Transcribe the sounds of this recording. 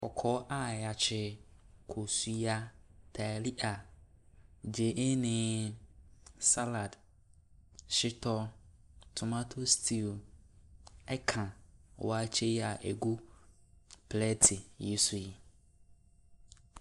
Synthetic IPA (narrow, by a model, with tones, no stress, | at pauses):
ɔ˨kʰɔ˦ʔa˦˨ja˨t͡ɕʰɪ˦kʰo˨su˨ja˦tʰa˨li˦ʔa˨ | d͡ʒe˨ʔe˦nɪ̃˨ | sa˦la˨d | ʃɪ˦tʰɔ˦ | tʰʊ˨mã˦tʰo˦stʰi˦˨l | ɛ˦kʰã˨wa˦t͡ɕʰe˦a˨ʔe˨ɡu˦ | pʰlɛ˦tʰɪ˨ji˦sʊ˨ji˨